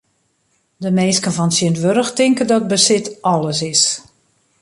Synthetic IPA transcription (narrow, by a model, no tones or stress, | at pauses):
dəmeːskənvɔnsəntʋøɾəxtɪŋkəndɔt̚bəsɪtɔlˠəsɪs